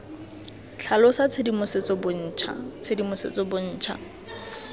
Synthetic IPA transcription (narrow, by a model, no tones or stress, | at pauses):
t͡ɬʰalɔsat͡sʰedimʊset͡sɔbʊn̩ːt͡ʃʰa̰t͡sʰedimʊsḛt͡sʼɔbʊn̩ːt͡ʃʰa̰